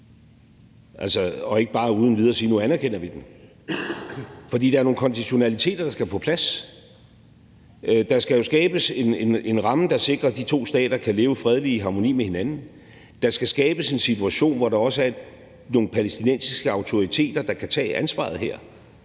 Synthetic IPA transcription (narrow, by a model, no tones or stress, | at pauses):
ʔælsɒɒ̽e̝ɡ̥əb̥ɑ̈ːuð̞ˠnliðˠɒsiːnuænæɐkʰen̰ɐʋid̥em | fɒd̥ḭːd̥ɑæɐno̝ːŋ̩kʰɒ̽nd̥iɕo̝nælit͡sʰe̝̰ːd̥ɐd̥ɑ̈sɡ̥æpʰɒ̽pʰlæs | d̥ɑ̈sɡ̥æjo̝sɡ̥ɛːb̥əse̝ne̝ne̝nʁɑ̈məd̥ɑ̈se̝ɡ̥ʁɐd̥it͡sʰo̝̰ːsd̥ɛ̰ːd̥ɐkʰæle̝ːʊəfʁɛð̞ˠliɦɑ̈mo̝nḭːmehe̝nænn̩ | d̥ɑ̈sɡ̥æsɡ̥ɛːb̥əse̝nsit͡sʰuæɕo̝̰ːnʋɒɾɑ̈ɒ̽səæɐ | no̝ːn̩pʰælesd̥inen̰sisɡ̥əɑ̈ʊt͡sʰo̝ʁit͡sʰe̝̰ːd̥ɐd̥ɑ̈kʰæt͡sʰɛ̰ːʔænsʋɑ̰̈ð̞̩ˠɦeɐ̰